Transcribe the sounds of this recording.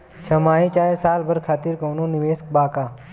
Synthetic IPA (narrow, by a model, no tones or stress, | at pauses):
t͡ʃʰəmaːĩːt͡ʃaːesaːlbəɾkʰaːt̪iːɾkoːnõːnɪʋeːsk̚baːkaː